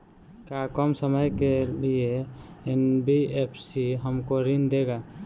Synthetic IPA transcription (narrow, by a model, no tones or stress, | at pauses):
kakɔmsəməjkelieenbiepʰsiɦəmkoɾind̪eɡa